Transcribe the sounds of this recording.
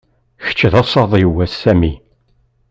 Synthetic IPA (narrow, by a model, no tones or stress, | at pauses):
çə̥t͡ʃːðɑsˤɑðˤiwːæsːæmi